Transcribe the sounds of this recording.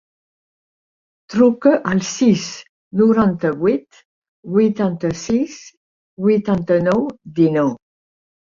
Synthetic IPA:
t̪ɾukəʔalsis | nuɾɑ̃nt̪əwit̪ | wit̪ɑ̃nt̪əsis | wit̪ɑ̃nt̪ənɔwd̪ino

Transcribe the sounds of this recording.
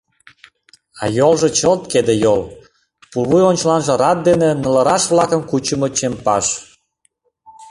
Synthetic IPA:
ɑ̰jolʒet͡ɕəlt̪̚ked̪ejol | pulβujonʲt͡ɕlɑnʒə̆ɾɑt̪̚d̪enenə̆lə̆ɾɑʃβlɑkəmkut͡ɕəmɤt͡ɕempɑʃ

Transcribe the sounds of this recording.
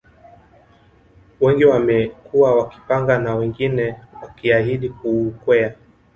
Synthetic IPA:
wɛŋɡiwamɛkuwawaki̥paŋɡanawɛŋɡinɛwakiaɦiɗikuːkwɛa

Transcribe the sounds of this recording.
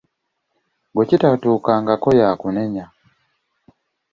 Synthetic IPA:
ɡocitatuːkaːŋɡako̞jaːkuneɲa

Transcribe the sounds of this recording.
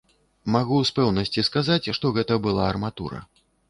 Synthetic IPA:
maɣuspɛwnɐsʲt͡sʲiskazat͡sʲʂt̪ɔɣɛt̪ɐbɨlˠaɐrmat̪ṵɾɐ̰

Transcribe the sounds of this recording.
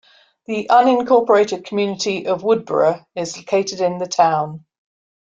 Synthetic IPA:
ðiʔʌ̃nɪ̃nkʰɔˑpəɹeɪtɪd̚kʰəmjʉːnɪtʰiʔəvwʊd̚bə̰ɹəɪzləʊkʰeɪtɪdɪ̃nðətʰãʊ̃n

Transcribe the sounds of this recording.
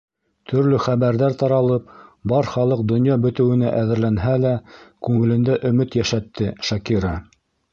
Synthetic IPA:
t̪ʰɵ̆ɾlɵχæβæɾðæɾt̪ɑɾɑlˠɤp̚bɑɾχɑlˠɤq̚d̪ŏnjɑbɵ̆t̪ɘ̆wɘ̆næʔæðɘ̆ɾlænɦælækʉŋɘ̆lɘ̆nd̪æʔɵ̆mɘt̪jæʃæt̪ːɘʃɑkiɾɑ

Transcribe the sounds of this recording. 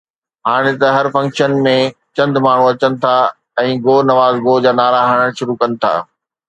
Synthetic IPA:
ɦaːɽ̃et̪ɐɦɐɾfɐ̃ŋkʃənmẽt͡ɕɐ̃nd̪maːɳ̤uɐt͡ɕənɪ̆t̪ʰa | ɛ̃ːɡoːnɐʋaːzɡoːd͡ʑaːnaːɾaːɦəɽ̃əɽ̃ʃʊɾukɐnɪ̆t̪ʰa̰ː

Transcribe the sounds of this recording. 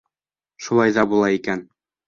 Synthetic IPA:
ʃulˠɑjðɑbulˠɑikæn

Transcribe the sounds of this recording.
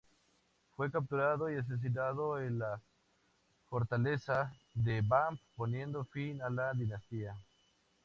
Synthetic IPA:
fwe̞kap̚t̪uɾaðoias̬es̬inaðoenla | fo̞ɾt̪ale̞saðebamppo̞nje̞nd̪ofinalaðinast̪ia

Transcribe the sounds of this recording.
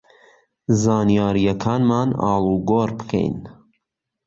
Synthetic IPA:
zɑːnijɑːɾijɐkʰɑːnmɑːnɑ̰ːlˠuːɡoːɾbɨ̥kʰɛ̰jn

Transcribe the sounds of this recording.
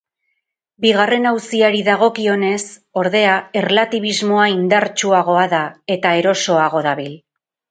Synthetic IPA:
biɣ̞are̞nawsiaɾiðaɣo̞kio̞ne̞so̞ɾðe̞ae̞rlat̪iβ̞izmo̞aind̪aɾt͡ʃuaɣ̞o̞aðae̞t̪ae̞ɾo̞so̞aɣ̞o̞ðaβil

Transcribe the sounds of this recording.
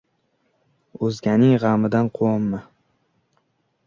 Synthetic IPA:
ɵzɡʲanɪŋʁamɪd̪anqʰomːa

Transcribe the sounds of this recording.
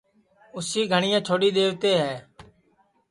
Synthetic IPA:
ʊsiːɡʱəɳɪjãːt͡ʃʰoːɽiːd̪eːʋt̪eːɦɛː

